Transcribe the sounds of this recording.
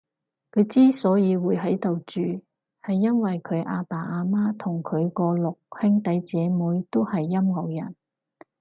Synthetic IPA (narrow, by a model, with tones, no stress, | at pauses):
kʰɵ˨˧ɥt͡siː˥sɔː˨˥jiː˨˧wuː˨˧jɦɐ˨˥jt̪o˨wt͡ʃyː˨ | hɐ˨jːɐ˥nwɐ˨jkʰɵ˨˧ɥʔa̰ː˧paː˨˩ʔaː˧maː˥t̪ʰʊ˨˩ŋkʰɵ˨˧ɥkɔː˧lʊ˨k̚hɪ˥ŋt̪ɐ˨˥jt͡sɛː˨˧muː˨˥jt̪o˥whɐ˨jːɐ˥mŋɐ˨wjɐ̰˨˩n